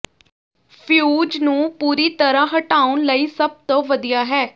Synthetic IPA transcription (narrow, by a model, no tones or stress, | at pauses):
pʰjuːd͡ʒnũːpuːɾiːt̪əɾãːɦəʈaːʊnləiːsəb̚t̪õːʋəd̪ijaːɦɛː